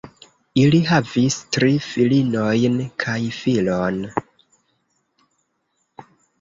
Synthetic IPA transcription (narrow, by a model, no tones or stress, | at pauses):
iliɦavistɾifilino̞jnkʰajfilon